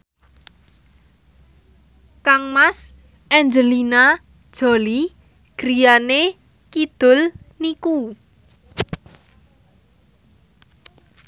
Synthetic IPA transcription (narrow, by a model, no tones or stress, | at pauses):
kaŋmas | ʔɛnd͡ʒəlina | d̥ʒ̥ɔ̤li | ɡ̥ɾijane | kid̪̥ʊ̤lniku